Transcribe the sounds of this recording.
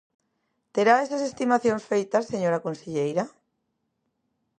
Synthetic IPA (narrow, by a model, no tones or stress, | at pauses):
t̪eɾaesasest̪imaθjoŋsfejt̪ɐsːeɲoɾakonseʎejɾa